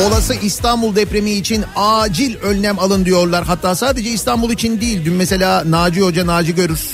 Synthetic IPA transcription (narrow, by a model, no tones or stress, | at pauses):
o̞lˠasɯʔist̪ʰanbulˠd̪ɛpɾe̞miːt͡ʃʰinaːd͡ʒilʲønʲnæmalˠɯnd̪ijo̞ɾlˠaɾɦat̪ʰːaːsaːd̪e̞d͡ʒɛist̪ʰanbulˠit͡ʃʰind̪ijilʲd̪ymmɛse̞lʲaːnaːd͡ʒɯo̞d͡ʒanaːd͡ʒɯɟø̞ɾyɾ̥